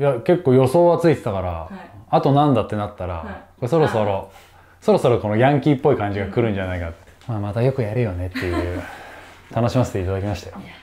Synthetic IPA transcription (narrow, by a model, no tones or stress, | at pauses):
jake̞kːoːjo̞so̞ːβat͡sɨit̪e̞t̪akaɾa̰at̪o̞nãnd̪at̪ːe̞nat̪ːaɾa̰koeso̞ɾo̞so̞ɾo̞ | so̞ɾo̞so̞ɾo̞ko̞noɡʲãŋkʲiːpːo̞ikãɲ̟d͡ʑiɡakɯ̟ɾɯ̟̃ɲ̟d͡ʑanaikat̪ | maːmat̪ajo̞kɯ̟jaɾɯ̟jo̞ne̞t̪ːe̞jɯ̟ | t̪ʰano̞ɕimasɨ̥t̪e̞it̪ad̪akʲimaɕi̥t̪e